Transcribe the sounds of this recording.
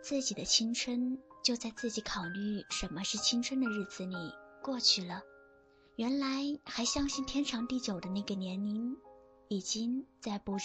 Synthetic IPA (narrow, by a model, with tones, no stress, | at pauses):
t͡sɹ̩˥˩t͡ɕi˨˩d̪ə˦t͡ɕʰi˥ŋʈ͡ʂʰwə˥nt͡ɕjo˥˧ʊt͡sa˥˧ɪt͡sɹ̩˥˩t͡ɕi˧˥kʰɑ˨˩ʊly˥˩ʂə˧˥nmə˧ʂɻ̩˥˩t͡ɕʰi˥ŋʈ͡ʂʰə˥nd̪ə˨ɻ̩˥˩d͡zɹ̩˨˩li˨˩kwɔ˥˧t͡ɕʰy˥˩lə˩ | ɥɛ˧˥nla˧˥ɪxa˧˥ɪɕjɑ˥ŋɕi˥˩nt̪ʰjɛ˥nʈ͡ʂʰɑ˧˥ŋt̪i˥˩t͡ɕjo˨˩ʊd̪ə˦na˥˩ɡə˩njɛ˧˥ni˧˥n | i˨˩t͡ɕi˥ŋt͡sa˥˩ɪpu˧˥ʈ͡ʂ